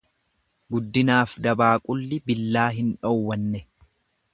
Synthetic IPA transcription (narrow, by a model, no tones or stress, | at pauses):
ɡʊd̪ːɪnaːfd̪ɐbaːkʼʊlːɪbɪlːaːɦɪnᶑɔwːɐnːɛ